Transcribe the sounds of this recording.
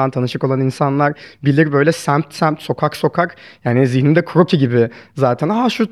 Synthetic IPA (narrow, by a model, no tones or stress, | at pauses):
ant̪ʰanɯʃɯkolˠaninsanlˠaɾbilʲiɾbø̞jlʲɛsæmt̪sæmt̪so̞kʰakso̞kʰak | jaːnizihnimd̪ɛkʰɾocʰiɟibɪzaːt̪ʰænaɦaʃu